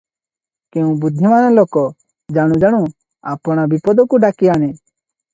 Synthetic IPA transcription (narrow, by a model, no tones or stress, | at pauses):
kɛũbud̪ʱimanɔlɔkɔ | d͡ʒaɽ̃ũd͡ʒaɽ̃ũ | apɔɽ̃abipɔd̪ɔkuɖakianɛ